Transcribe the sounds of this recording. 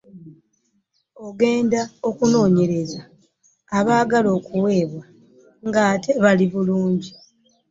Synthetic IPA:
o̞ɡe̞ːndao̞kuno̞ːɲe̞ɾe̞zaː | βaːɡalo̞ːkuwe̞ːβa | ŋɡaːte̞βaliβuluːɲɟi

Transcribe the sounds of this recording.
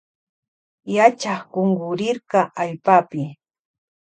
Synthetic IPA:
jat͡ʃaχkoŋɡʊɾɪɾkɑʔaʎpapɪ

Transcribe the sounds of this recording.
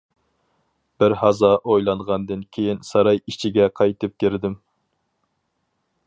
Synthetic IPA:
b̥ɪɾhɑzɑʔojlˠɑɴʁɑnd̪ɨnkʲʰejinsɑɾɑjit͡ʃʰiɡʲɛqʰɑjt̪ɨp̚kʲeɾɪd̪ɪm

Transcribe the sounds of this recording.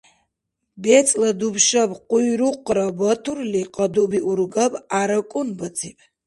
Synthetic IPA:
bet͡sʼlɐd̪ubʃɐbqʷʼujɾuqʼɾabɐtʰurliqʼɐd̪ubiʔurɡapʼaɾɐkʷʼʊnbɐt͡sʰʼipʼ

